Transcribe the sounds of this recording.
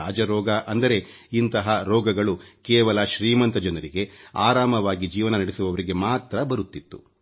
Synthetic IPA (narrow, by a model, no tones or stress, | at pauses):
aːd͡ʒɐɾɔːɡɐʔɐnd̪ɐɾe̞ | int̪ɐɦɐɾɔːɡɐɡɐɭukɛːʋɐlɐʃɾiːmɐnt̪ɐd͡ʒɐnɐɾiɡe̞aːɾaːmɐʋaːɡid͡ʒiːʋɐnɐnɐɽesuʋɐʋɐɾiɡe̞maːt̪ɾɐbɐɾut̪ːit̪ːu